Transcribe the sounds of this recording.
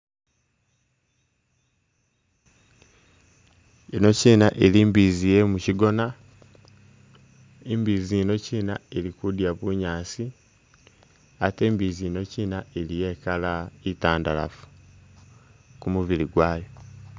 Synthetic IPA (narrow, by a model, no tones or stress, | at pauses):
ino̞ciːnaʔeliːmbiːzijemuciɡo̞na | embiːziːno̞ciːnaeɾikudjaβuɲaːsi | ate̞ːmbiːziːno̞ciːnaeɾije̞kalaitaːndala̰fu̥ | kumuβiɾiɡwaːjo